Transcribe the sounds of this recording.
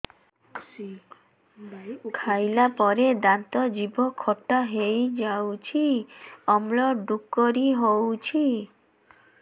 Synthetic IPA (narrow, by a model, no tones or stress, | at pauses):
kʰajlapɔɾed̪ant̪ɔd͡ʒibɔkʰɔʈːaɦejd͡ʒawt͡ʃʰiɔmlɔɖukːɔɾiɦowt͡ʃʰi